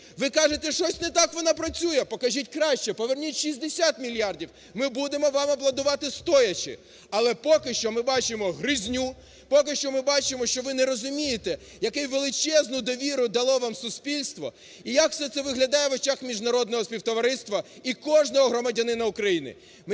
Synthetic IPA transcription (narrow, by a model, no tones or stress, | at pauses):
ʋɪkɑʒet̪ɛʃt͡ʃɔsʲnɛt̪ɑkʋɔnɑpɾɐt͡sʲujɛpɔkɐʒitʲkɾɑʃt͡ʃɛpɔʋernʲitʲʃizʲd̪esʲat̪mʲilʲjardʲiw | mɪbud̪emɔʋɑmɐblˠɐd̪ʊʋɑt̪ɪst̪ɔjɐt͡ʃɪ̰ | ɐlˠɛpɔkɪʃt͡ʃɔmɪbɑt͡ʃɪmɔɦɾɪzʲnʲu | pɔkɪʃt͡ʃɔmɪbɑt͡ʃɪmɔʃt͡ʃɔʋɪnɛɾɔzʊmʲijet̪ɛ | jɐkɛjʋelˠɪt͡ʃɛznʊd̪ɔʋʲiɾʊd̪ɐlˠɔʋamsʊsʲpʲilʲst̪ʋɔ̰ | ijɐkfsɛt̪sɛʋɪɦlʲɐd̪ɑjɛʋɔt͡ʃaxmʲiʒnɐɾɔd̪nɔɦɔspʲiwt̪ɔʋɐɾɪst̪ʋɐikɔʒnɔɦɔɦɾɔmɐdʲɐnɪnɐukɾɐjinɪ̰ | m